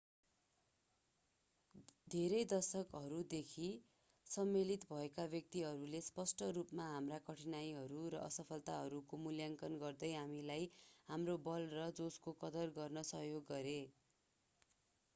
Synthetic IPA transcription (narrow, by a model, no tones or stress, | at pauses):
d̪ʱeɾʌjd̪ʌsʌkɦʌɾud̪ekʰi | sʌmːelit̪bʱʌekabjʌk̚t̪iɦʌɾulespʌsʈʌrupmaɦamrakʌʈʰinajɦʌɾuɾʌ̰ʔʌsʌpʰʌlt̪aɦʌɾukomuljaŋkʌnɡʌrd̪ʌjɦamilajɦamrobʌlrʌd͡zoskokʌd̪ʌrɡʌrnʌsʌɦjoɡːʌɾe